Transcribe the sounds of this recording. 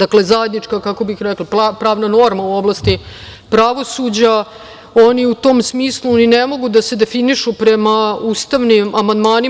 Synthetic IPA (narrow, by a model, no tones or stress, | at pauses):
d̪akle̞zaje̞d̪nit͡ʂkakako̞bixɾɛklapapɾaːʋnano̞ɾmauo̞blˠast̪i | pɾaʋo̞sud͡ʑa | o̞niut̪o̞ːmsmiːslˠuninemo̞ɡud̪ase̞d̪e̞finiʃupɾe̞mauːst̪aʋnimʔamand̪maːni